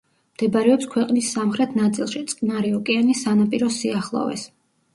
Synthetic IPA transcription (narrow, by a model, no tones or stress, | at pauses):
md̪̥ɛbɾɛɔpskʰwɛqʼnisːamχɾɛt̪ʰnat̪sʼilˠʃit̪sʼqkʼnaɾiɔkʼianisanapʼiɾɔsiaχlˠɔ̰vɛ̰s